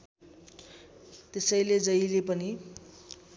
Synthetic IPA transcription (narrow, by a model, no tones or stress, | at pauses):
t̪esʌjled͡zʌjlepʌni